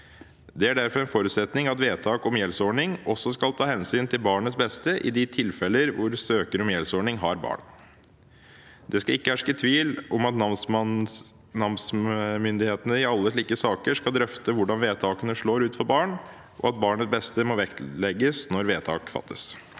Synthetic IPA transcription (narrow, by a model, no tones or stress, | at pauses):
d̪ɛæɖæɾfɔɾɛnfɔɾʉːt̪sɛt̪nɪŋɑt̪ʋeːt̪ʰɑːkɔmjɛlsɔɳɪŋʔɔsːɔskɑlt̪ʰɑːhɛnsyːnt̪ʰɪlbɑːɳət̪sbɛst̪əʔɪ̰d̪ɪt̪ʰɪlfɛlːəɾʋʊɾsøːkəɾɔmjɛlsɔɳɪŋɦɑɾbɑ̰ːɳ | d̪ɛskɑɪkːəhæʂkət̪ʰʋiːlɔmɑt̪n | nɑmsmʏnd̪ɪheːt̪ənəɪɑlːəʂɭiːkəsɑːkəʂkɑld̪ɾœft̪əʋʊɖɑnʋeːt̪ʰɑːkənəʂɭoːɾʉːt̪fɔɾbɑːɳ | ʔɔ̰ɑt̪̚bɑːɳət̪sbɛst̪əmɔːʋɛklɛɡːəsnɔɾʋeːt̪ʰɑ̰ːkfɑ̰t̪ːəs